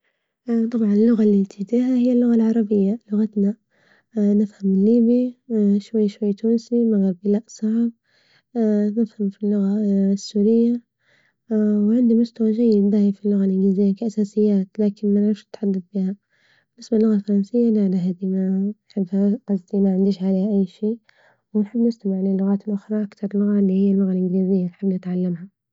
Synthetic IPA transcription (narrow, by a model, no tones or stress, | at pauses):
t̪ˤɑbʕɑnɪlːʊɣalːint̪ʰɪd̪iːɦahɪjːalːʊɣalʕɑɾˤɑbɪjːalʊɣat̪na | nɪfhamːɪnːiːbiʃwajːʃwajːt̪uːnsimaɣaɾbilaʔsˤɑʕb̚ | nɪfhamfilːʊɣasːuːɾɪjːa | wʕɪnd̪imʊst̪awaʒajːɪd̪d̪aːjafilːʊɣalʔɪnɡliːzɪjːakaʔasaːsɪjːaːt̪laːkɪnmanʕɪfʃnɪt̪ħad̪ːaθbiːha | bɪnɪsbalːʊɣalfɑɾˤɑnsɪjːaliʔanaɦad̪imanħɪbːhaazd̪imaʕɪnd̪iːʃʕaleːhʔajːʃiː | wɪnħɪbːnɪst̪amɪʕlɪlːʊɣaːt̪ɪlʔʊxɾˤɑʔakt̪ɑɾˤlːʊɣalːihɪjːalːʊɣalʔɪnɡliːzɪjːanħɪbːnɪt̪ʕalːamha